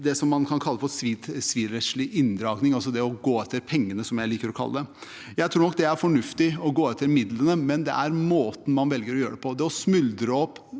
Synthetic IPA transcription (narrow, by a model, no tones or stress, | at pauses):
d̪ɛsɔmːɑnkʰɑnkʰɑlːəfɔɾsʋiːt̪sʋiːɾɛʂɭɪʔɪnd̪ɾɑːɡnɪŋɑlsɔd̪ɛɔɡoːɛt̪ʰːəɾpʰɛŋːənəsɔmjæɪliːkəɾɔkʰɑ̰ːəd̪ɛ | jæɪt̪ʰɾuːnɔk̚d̪ɛæɾfɔɳʉft̪ɪɔɡoːɛt̪ʰːəɾmɪd̪lənəmɛnd̪ɛ̰ʔæɾmoːt̪n̩mɑnʋɛlɡəɾɔjøːəɖɛpʰɔd̪ɛɔsmʉld̪ɾəɔpː